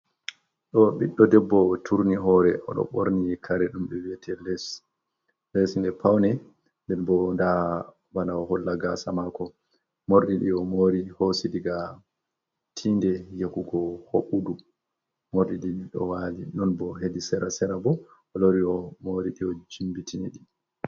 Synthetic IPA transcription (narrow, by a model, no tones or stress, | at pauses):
ɗɔɓiɗːɔdɛbːɔtʰuɾniɦɔɾɛɔ̰ɗɔ̰ɓoɾnikʰaɾɛɗumɓɛwiɛtʰɛlɛs | lɛsindɛpawnɛ | ndɛnbɔnda | banaɔhɔlːaɡasamakɔ | moɾɗiɗiɔmoɾihosidiɡa | tʰindɛjekuɡɔhoɓudu | moɾɗiɗiɗiɗɔ̰walinɔnbɔɦedisɛɾasɛɾabɔ | ɔloɾiɔmoɾiɗiɔd͡ʒimbitʰiniɗi